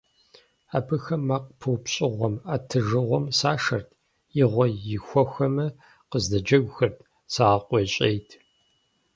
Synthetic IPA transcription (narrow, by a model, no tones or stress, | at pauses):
aːpʰɨxɐmːaːqpʰɨwpɕʼɪʁʷɔmaːtʰɨʒɨʁʷɔmsaːʂɐrtʰ | jɪʁʷɔjɪxʷɔxɐmɐ | qəzdɐd͡ʒɐɡʷxɐrtʰ | saːqʷʼɔɕʼejtʰ